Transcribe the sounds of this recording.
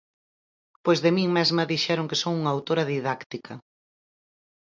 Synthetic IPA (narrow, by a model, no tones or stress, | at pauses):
pojzðɪmiŋmɛzmɐðiʃɛɾoŋkesoŋuŋawt̪oɾɐðiðakt̪ikʰɐ